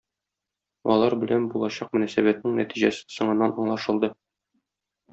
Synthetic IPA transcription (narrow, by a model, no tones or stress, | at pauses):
ɒ̰lˠɑɾbɘ̆lænbulˠɑɕɑq̚mɵ̆næsæbæt̪̚nɘŋnæ̰t̪iʑæsɘ̥sŏɴɤ̆nːɑnɒɴlˠɑʃɤ̆lˠd̪ɤ